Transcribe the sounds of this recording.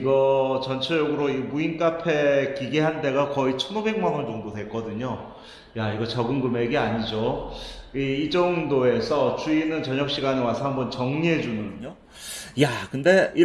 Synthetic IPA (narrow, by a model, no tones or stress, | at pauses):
iɡʌt͡ɕʌnt͡ɕʰʌd͡ʑʌɡɯɾoimuink͈apʰe̞kiɡeɦande̞ɡakʌit͡ɕʰʌnobe̞ŋmanʌnd͡ʑʌŋdodwe̞k͈ʌdɯɲo | jaiɡʌt͡ɕʌɡɯnɡɯme̞ɡeaɲid͡ʑo | iːd͡ʑʌŋdoe̞sʰʌt͡ɕ͈uinɯnt͡ɕʌɲʌk̚ɕ͈iɡanɯwasʰʌɦambʌnt͡ɕʌŋɲiɦe̞d͡ʑunɯɯɲo | jakɯnde̞i